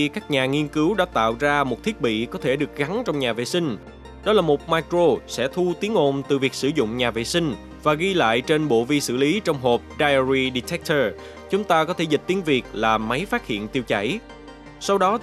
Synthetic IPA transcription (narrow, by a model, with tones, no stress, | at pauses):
kaː˦˥k̚ɲaː˨˩ŋi˧ənkɨ˨˦wɗa̰ː˧˥t̪a̰ː˧˨wzaː˧mo˨˩t̚t̪ʰi˦˥ɓḭ˧˨kɔ˨˦t̪ʰe˧˩ɗɨ˨˩ək̚ɣa˨˦nt͡ɕɔ˧wŋ͡mɲaː˨˩vḛ˧˨sï˧ŋ̟ | ɗɔ˨˦laː˨˩mo˨˩t̚maː˧jkro˧sɛ̰˧˥t̪ʰu˧t̪i˨˦əŋʔo˧˨˩nt̪ɨ˨˩vi˨˩ək̚sɨ˧˩zʊ̰˧˨ŋ͡mɲaː˨˩vḛ˧˨sï˧ŋ̟ | vaː˨˩ɣi˧la̰ː˧˨jt͡ɕe˧nɓo̰˧˨vi˧sɨ̰˧˩li˨˦t͡ɕɔ˧wŋ͡mɦo˨˩p̚ɗaː˧jɹi˧ɗi˧t̪ʰɛ˦˥k̚t̪ʰəː˧ | t͡ɕʊ˨˦ŋ͡mt̪aː˧kɔ˨˦t̪ʰe˧˩zi˨˩t̚t̪i˨˦ənvi˨˩ək̚laː˨˩ma˨˦jfaː˦˥t̚hḭ˧˨ənt̪i˧wt͡ɕa̰˧˩j | sa˧wɗɔ˨˦